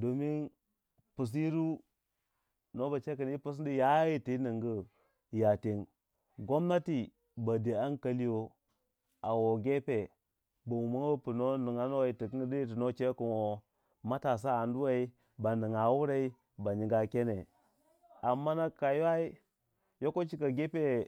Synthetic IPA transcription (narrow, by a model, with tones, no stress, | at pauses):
do˨mi˦n | pu˨s̬i˦ɾu˦ | no˦ba˨t͡ʃe˦kə˨n˦i˦pu˦s̬di˦ja˦ji˦ti˨˦nɨ˨ŋɡə˦ | ja˨ti˨n | ɡo˦mna˦ti˨ | ba˨de˨a˦nka˦li˦jo˦ | a˨wo˨ɡe˦pe˨ | ba˨wu˨ma˦ŋ˦a˦pu˨no˦nu˨ŋa˦no˦wi˨ti˨ki˦di˦i˦t̬i˨no˦t͡ʃe˦ku˨no˨ | ma˦ta˨s̬a˦a˨ndu˦wa˦i˦ | ba˨ni˨ŋa˨˦wu˦ɾe˦i˦ | ba˨ɲi˨ɡa˦ke˦ne˨ | a˨mːa˦na˦ka˨ja˦i˦ | jo˦ko˦t͡ʃi˦ka˨ɡe˦pe˦